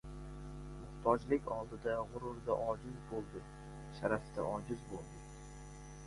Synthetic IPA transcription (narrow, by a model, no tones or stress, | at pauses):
mʊχt̪ʰɒd͡ʒlɪkʲɒlˠd̪ɪd̪aʁʊɾʊɾd̪a̰ʔɒd͡ʒɪzbolˠd̪ɪ | ʃaɾaft̪ʰa̰ʔɒd͡ʒɪzbolˠd̪ɪ